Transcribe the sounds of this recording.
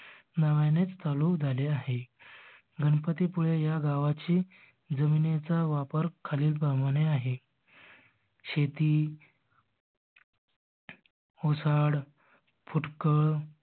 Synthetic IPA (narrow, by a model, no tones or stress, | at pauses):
naʋajnet͡st̪alukd͡zʱaleaɦe | ɡənpət̪ipuɭejaɡaʋat͡ɕiː | d͡zəminet͡saʋapəɾkʰaliːlpaməneaɦe | ɕet̪iː | osaɽ | fʰuʈkəɭ